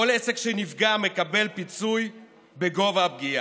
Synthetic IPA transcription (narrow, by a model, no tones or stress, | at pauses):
olesekʃenifɡame̞kabe̞lpit͡suj | be̞ɡo̞vab̚ɡia